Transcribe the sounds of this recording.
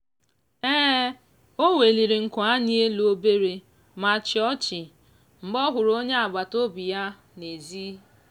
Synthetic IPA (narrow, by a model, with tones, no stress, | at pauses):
ɛː˦ | o˦we˨li˨ɾi˨ŋ̩˨kʷa˦ni˦e˦lu˨o˦be˦ɾe˨ | ma˨t͡ʃɪ˨˦ɔ˦t͡ʃɪ˨ | m̩˨ɡ͡bɔ˦ɦʊ˨ɾo˦ɲe˦a˨ɡ͡ba˨to˦bi˨ja˦ | ne˨ziː˦